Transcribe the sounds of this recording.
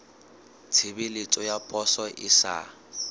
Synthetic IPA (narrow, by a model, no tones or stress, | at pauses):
t͡sʰɪbɪlɪt͡sʼɔjapʼɔsɔʔɪsa̰